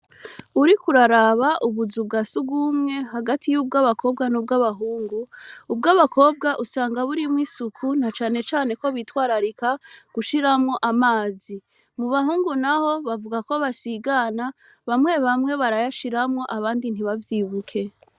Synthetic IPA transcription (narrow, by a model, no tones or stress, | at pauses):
uɾikuɾaɾaβaʔuβuzubɡasuɡɡumŋe̞ɦaɡatʰijuːb̚ɡaːβakʰo̞ːb̚ɡanub̚ɡaβaɦuːŋɡuːbɡaːβakʰo̞ːb̚ɡaʔusaːŋɡaβuɾimŋiːsukʰun̥at͡ʃaːne̞t͡ʃaːne̞ko̞βiːtwaːɾaɾikaɡ̥uʃiɾamŋo̞ʔamaːzi | muβaɦuːŋɡunaho̞βavuɡako̞βasiɡana | βamŋe̞βamŋe̞βaɾajaʃiɾamŋo̞ʔaβaːndin̥hiβavjiːβukʰe̞